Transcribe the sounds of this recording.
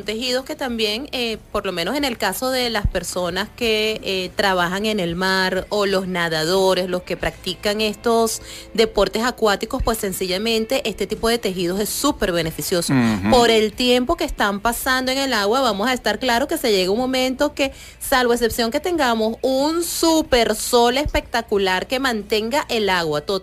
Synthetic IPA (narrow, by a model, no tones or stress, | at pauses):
ont̪e̞xiðo̞ske̞t̪ambje̞ŋepo̞ɾlo̞meno̞se̞ne̞lkaso̞ðe̞laspe̞ɾso̞naske̞t̪ɾaβ̞axaŋe̞ne̞lmaɾo̞lo̞snaðað̞o̞ɾe̞slo̞ske̞pɾak̚t̪ikaŋe̞st̪o̞sd̪e̞po̞ɾt̪e̞sakwat̪iko̞spwe̞sːe̞nsiʝamẽ̞nt̪e̞ʔest̪e̞t̪ipo̞ðe̞t̪e̞xið̞o̞se̞sːupe̞ɾβe̞ne̞fisjo̞sopo̞ɾe̞lt̪jempo̞keːst̪ampasand̪oe̞ŋe̞laɣwaβamo̞sae̞st̪aɾklaɾo̞ke̞se̞ʝe̞ɣeuŋmo̞mẽ̞nt̪o̞ke̞ | salβo̞e̞s̬e̞psjo̞ŋke̞t̪e̞ŋɡamo̞sunsupe̞ɾso̞le̞spe̞k̚t̪akulaɾke̞mãnt̪e̞ŋɡaʔelaɣwat̪o